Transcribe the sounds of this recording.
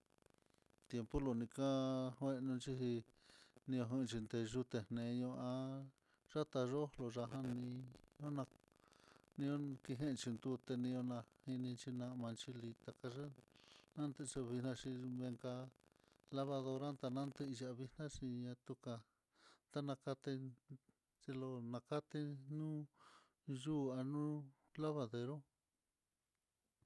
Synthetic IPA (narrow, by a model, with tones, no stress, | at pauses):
t̪je˧mpu˦lo˧˨nĩ˧ka˦hwẽ˦˧ʔnũ˧nt͡ʃi˦ɦi˧ | nĩ˧õ˧ɦɨ̃˧t͡ʃi˧nd̪e˧ʒu˧t̪e˨nnẽ˨˧ɲõ˧ã˧ | ʐa˦t̪a˧ʐo˦lo˧ʐa˧ɦã˦nĩ˧ɲõ˦nã˧ | nĩ˧õ˦ki˧ɦẽ˦˧t͡ʃi˧nd̪u˧t̪e˧nĩ˧o˧nã˧hi˧nĩ˧nt͡ʃi˧nã˧mã˧nt͡ʃi˧li˧t̪a˧ka˧ʐa˦nã˦nt̪e˧ʂa˧βi˧hnã˧ʂi˧βe˧ŋka˧ | la˦βa˧ðo˧ɾa˦nt̪a˧nã˦nt̪e˧i˧ʒa˧˨˧βi˧hnã˦ʂi˧ɲã˧t̪u˧ka˧ | t̪a˦nã˧ka˧t̪e˧ | t͡ʃe˧lo˧nã˧ka˦t̪e˧nũː˦ | ʒuː˦˨a˧nũ˦ | la˦βa˧ðe˧ɾo˦